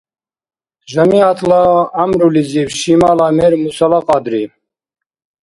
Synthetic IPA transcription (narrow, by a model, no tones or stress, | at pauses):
ʒəmiat̪ʰlaːmɾuliziwʃimalamɛɾmusalaqʼɑd̪ɾi